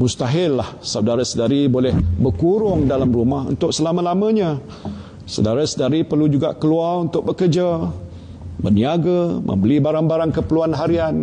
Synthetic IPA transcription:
must̪aɦɪlːahsawdaɾasədaɾibolɛhbərkuɾʊŋdalamɾumaɦṵnt̪ʊʔ̚səlamə̃lamə̃ɲã | sa̰wdaɾasədaɾipərlud͡ʒuɡa̰ʔkəlualunt̪ʊk̚bəkərd͡ʒa | bə̰rniaɡamʔə̰̃mbəlibaɾaŋbaɾaŋkəpəluanɦaɾian

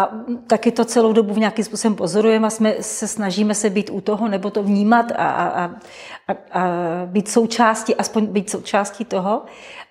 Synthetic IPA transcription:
ʔat̪akɪt̪o̞t͡sɛlo̞wdo̞buvɲakimspuːso̞bɛmpo̞zo̞ɾujɛmasmɛsɛsnaʒiːmɛsɛbiːt̪ʔut̪o̞ɦonɛbo̞t̪o̞vɲiːmat̪a̰ʔa | ʔabiːt̪so̞wt͡ʃaːscɪʔaspo̞ɲbiːt̪sowt͡ʃaːscɪt̪o̞ɦo

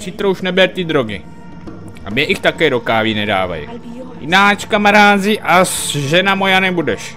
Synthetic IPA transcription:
sit̪ɾouʃnɛbɛɾt̪ɪd̪ɾoɡɪ̰ | ʔa̰mɲɛʔixt̪akɛːɾokaːviːnɛda̰ːva̰jḭ | jɪnaːt͡ʃkamaɾaːzɪʔasʒɛnamojanɛbudɛʃ

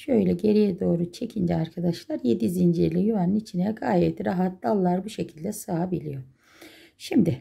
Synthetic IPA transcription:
ʃø̞jlʲɛɟe̞ɾijɛd̪o̞ːɾut͡ʃʰe̞cʰind͡ʒɛaɾkʰad̪aʃlˠaɾje̞d̪izind͡ʒɛɾlʲɛjuvanɯnit͡ʃʰinɛɡaːjɛt̪ɾaɦat̪lalˠːaɾbuʃe̞cʰilʲd̪ɛsaːabilʲijo̞ | ʃimd̪ɪ

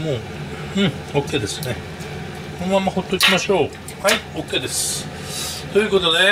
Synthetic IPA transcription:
moː | ɯ̃ɴ | o̞kːe̞ːd̪e̞sɨne̞ | kõmamːaho̞t̪ːo̞ikʲimaɕo̞ː | haio̞kːe̞ːd̪e̞sɨ̥ | t̪o̞jɯ̟ko̞t̪o̞d̪e̞

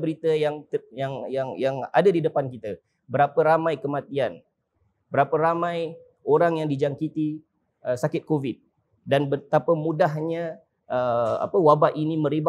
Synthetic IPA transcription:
bəɾit̪əjaŋt̪əjaŋjaŋjaŋa̰dadidəpankit̪ə | bəɾapəɾamãjkəmãt̪ian | bəɾapəɾamãj | oɾaŋjaŋdid͡ʒaŋkit̪i | əsakɪt̪̚kovɪt̪̚ | danbət̪apəmũdaɦɲã | əa̰pəwabaʔinĩmə̃ɾiba

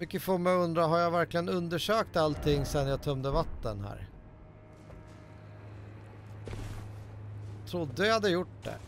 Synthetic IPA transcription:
ʏkːəfoːmɛɵnd̪ɾaɦaɾjavæɾklɪɡənɵnd̪əʂøːk̚t̪alt̪ʰɪŋːsɛnːjat̪ʰœmd̪əvat̪ːənɦæ̰ːɾ | t̪ʰɾʊd̪ːəhad̪ːəjʊʈɖ̪ɛ̰

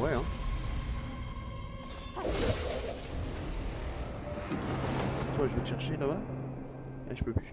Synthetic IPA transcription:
wɛɛ̃ | a | sit̪waʒəvəlʃɛʁʃelaba | ɛ̰ʒ̥əpøpy

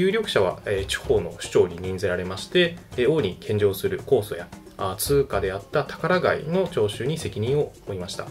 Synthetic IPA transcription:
jɯ̟ːɾʲo̞kɯ̟̥ɕaβ̞a̰et͡ɕi̥ho̞ːno̞̰ɕɨ̥t͡ɕo̞ːɲ̟ʲiɲ̟ĩnd͡zeɾaɾe̞maɕi̥t̪e̞o̞ːɲ̟ikʰẽ̞ɲ̟d͡ʑo̞ːsɨɾɯ̟ko̞ːso̞̰ja | t͡sɨːkad̪e̞at̪ːat̪ḁkaɾaɡaino̞t͡ɕo̞ːɕɨːɲ̟ise̞kʲiɲ̟ĩɰ̃o̞oimaɕi̥t̪a̰

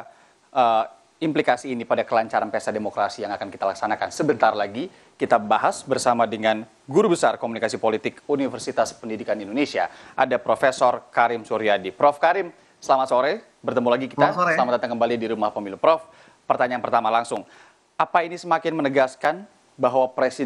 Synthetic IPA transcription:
ʔə | implikasiːnipadakəlaɲt͡ʃaɾanpeasademokɾasijaŋakanki̥t̪alaksanakansəbənt̪arlaɡi | kit̪abaɦasbərsamadəŋan | ɡuɾubəsarkomunikasipolit̪ɪkunifərsit̪aspəndidikanindonesia̰ʔadapɾofesɔrkaɾɪmsuɾiadipɾɔfkaɾɪm | səlamat̪soɾɛ | bərt̪əmulaɡikit̪asəlamat̪d̪at̪aŋkəmbalidiɾumahpəmilupɾɔf | pərt̪aɲaanpərt̪amalaŋsʊŋ | apainisəmakɪnmənəɡaskan | baɦwapɾesi

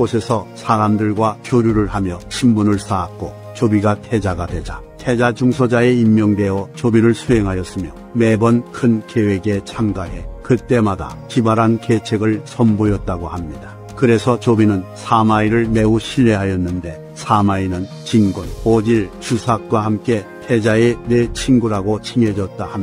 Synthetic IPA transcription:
ɡosʰe̞sʰʌsʰaɾamdɯɭɡwakjoɾjuɾɯɭhamjʌɕʰimbunɯɭs͈aːk̚k͈o | t͡ɕobiɡatʰe̞d͡ʑaɡadwe̞d͡ʑa | tʰe̞d͡ʑad͡ʑuŋsʰʌd͡ʑae̞immːjʌŋdwe̞ʌt͡ɕobiɾɯɭsʰuɦeŋɦajʌs͈ɯmjʌ | me̞bʌnkʰɯnkewe̞ɡe̞t͡ɕʰamɡaɦe̞kɯt͈e̞mada̰kibaɾanket͡ɕʰeɡɯɭsʰʌmbojʌt̚t͈aɡohamɲida | kɯɾe̞sʰʌt͡ɕobinɯnsʰamaiɾɯɭme̞uɕʰiʎːe̞ɦajʌnːɯnde̞ | sʰamainɯn | t͡ɕiŋɡunod͡ʑiɭt͡ɕusʰak̚k͈wahamk͈e̞tʰe̞d͡ʑaenet͡ɕʰiŋɡuɾaɡot͡ɕʰiŋed͡ʑʌt̚t͈aham

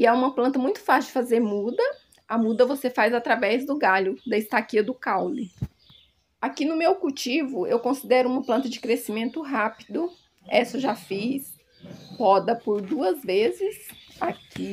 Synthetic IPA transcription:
ɪɛũmɐplɐ̃nt̪ɐmũj̃t̪ʊ̥faʃʊd͡ʒɪfazeɾmud̪ɐ | ɐmud̪ɐvosefajzat̪ɾavɛzd̪ʊɡaʎʊd̪ɐɪst̪akiɐd̪ʊkawlɪ | akinʊmewkuwt͡ʃivʊewkõsid̪ɛɾʊũmɐplɐ̃nt̪ɐd͡ʒɪkɾesimẽnt̪ʊɦapid̪ʊ | ɛsʊʒafis | hɔd̪ɐpoɾd̪uɐzvezɪsakʰi

